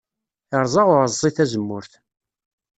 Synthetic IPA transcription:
əɾˤzˤɑʁʊɾəzˤːiθæzəmːʊɾθ

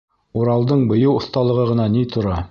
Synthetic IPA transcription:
uɾɑlˠd̪ɤɴbŏjɤwŏθt̪ɑlˠɤ̆ʁɤʁɤ̆nɑnit̪ʰŏɾɑ

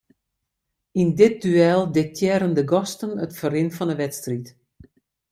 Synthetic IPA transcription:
indɪt̚dyɛːlˠdɪk̚tʰjɛɾəndəɡɔstənətfərɪnfɔnəʋɛtstrit

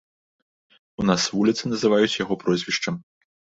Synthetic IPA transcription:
unasvulʲit̪sɨnɐzɨvajut͡sʲjaɣɔpɾɔzʲvʲiʂt͡ʂɐm

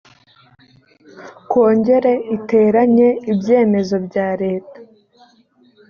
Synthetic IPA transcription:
kwo̞ːɲɟe̞ɾe̞ʔite̞ːɾaɲe̞ibje̞ːme̞zo̞bɟaːɾe̞ːtḁ

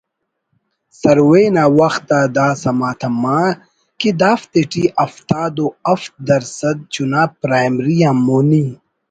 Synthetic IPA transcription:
sɐɾweːnaːwɐxt̪ad̪aːsɐmaːt̪ʰɐmãː | kid̪aːft̪eʈiʔɐft̪aːd̪oɐft̪̚d̪ɐɾsɐd̪̚t͡ɕunaːpɾaːjmɾijãːmoːni

